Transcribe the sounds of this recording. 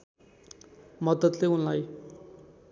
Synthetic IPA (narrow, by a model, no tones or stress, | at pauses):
mʌd̪ʌd̪leunlaj